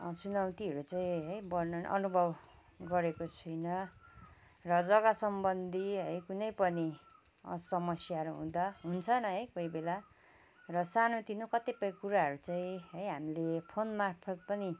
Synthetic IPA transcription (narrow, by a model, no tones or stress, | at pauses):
t͡sunawt̪iɦʌɾut͡saĩɦʌjbʌrnʌnʔʌ̰nubʱʌb | ɡʌɾekot͡sʰʌjnʌ | rʌd͡zʌɡasʌmbʌnd̪ʱiɦʌjkunʌjpʌnḭ | sʌmʌsjaɾuɦṵ̃d̪aɦunt͡sʰʌnʌɦʌjkoibela | rʌsanot̪inokʌt̪epʌjkuɾaɦʌɾut͡saĩɦʌjɦamilepʰonmarpʰʌt̪̚pʌni